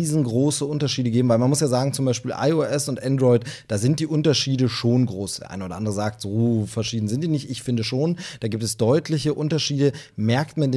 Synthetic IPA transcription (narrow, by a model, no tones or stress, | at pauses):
iːzn̩ɡʁoːsəʔʊntɐʃiːdəɡeːbm̩vaɪmanmʊsjaːzaːɡŋ̩t͡sʊmbaɪʃpiːlʔa̰ɪoʔɛsʊntʔɛndʁɔʏtd̥aːzɪnt̚d̥iːʔʊntɐʃiːdəʃoːnɡʁoːsd̥ɛ̰ɐʔa̰ɪnʔoːdɐ̰ʔandəʁəzaːk̚tz̥oːfɛɐʃiːdn̩zɪntd̥iːnɪçtʔɪçfɪndəʃoːnd̥aːɡiːp̚tɛsd̥ɔʏtʰlɪçəʔʊntɐʃiːdəmɛɐktmande